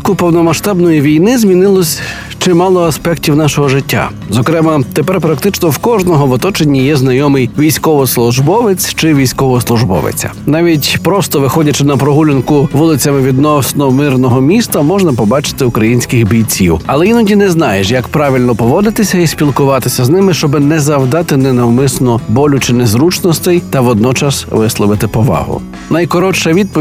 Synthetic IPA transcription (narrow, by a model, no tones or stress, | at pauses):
kʊpɔwnɔmɐʃt̪ɑbnɔjiʋʲijnɪzmʲinɪlˠɔsʲ | t͡ʃɪmɑlˠɔɐspɛktʲiwnɑʃɔɦɔʐɪtʲːa̰ | zɔkɾɛmɐt̪epɛrpɾɐkt̪ɪt͡ʃnɔwkɔʒnɔɦɔʋɔt̪ɔt͡ʃenʲːijɛzn̪ɐjɔmɪjʋʲijsʲkɔʋɔslˠʊʒbɔʋet͡sʲt͡ʃɪʋʲijsʲkɔʋɔslˠʊʒbɔ̰ʋḛt͡sʲɐ̰nɑʋʲitʲpɾɔst̪ɔʋɪxɔdʲɐt͡ʃɪnɐpɾɔɦulʲɪnkʊʋulˠɪt͡sʲɐmɪʋʲid̪nɔsnɔmɪrnɔɦɔmʲist̪ɐmɔʒnɐpɔbɑt͡ʃɪ̥t̪ɪʊkɾɐjinʲsʲkɪxbʲijt͡sʲiwɐlˠɛinɔdʲinɛznɑjeʃjɐkpɾɑʋʲilʲnɔpɔʋɔd̪ɪt̪ɪsʲɐisʲpʲilˠkʊʋɑt̪ɪsʲɐznɪmɪʃt͡ʃɔbɪnɛzɐwd̪ɑt̪ɪnɛnɔwmɪsnɔbɔlʲʊt͡ʃɪnezɾut͡ʃnɔst̪ɛjt̪ɐʋɔd̪nɔt͡ʃɑsʋɪslˠɔʋɪt̪ɪpɔʋɑ̰ɦʊ̰ | nɐjkɔɾɔt͡ʃɐʋʲid̪̚pɔ